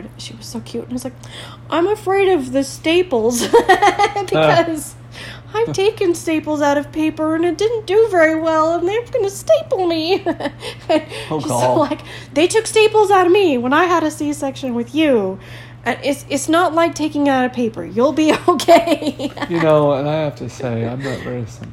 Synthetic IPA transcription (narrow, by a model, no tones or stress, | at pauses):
dʃiwʌz̥soʊkʰj̥ʉn̩ɪwʌzlaɪk̚ | ʔãɪ̃mɨfɹeɪɾʌvðɨsteɪpl̩ˠz̥ | b̥ɨkʌz̥ | aɪvtʰeɪkɨ̃nsteɪpl̩ˠzaʊɾʌv̥pʰeɪpə˞ɨ̃nɨt̚d̥ɪdⁿn̩d̥ɨvɛɹiwɛlˠə̃nðeɪə̃mɡʌnɨsteɪpl̩ˠmi | ɨ̃n | laɪk | ðeɪtʰʊksteɪpl̩ˠzaʊɾʌvmiwə̃naɪɨɾɨsiɨsɛkʃɨ̃nwɨðjʉ | ʔɨnʔɪtsɪtsnətˡlaɪk̚tʰeɪkɪ̃ŋaʊɾʌv̥pʰeɪpə̰˞julˠbioʊkʰeɪjɨnoʊə̃naɪhæftʰɨsḛɪã̰ɪ̃mnɨ̰tɹɛ̰sn